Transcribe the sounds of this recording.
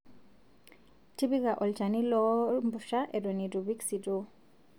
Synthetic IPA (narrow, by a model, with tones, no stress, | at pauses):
ti˦bi˦ka˨ʔɔ˨lt͡ʃa˨ni˦lɔ˦mbu˨ʃa˦ʔɛ˨dɔ˨ni˨du˨βi˦ksi˨do˦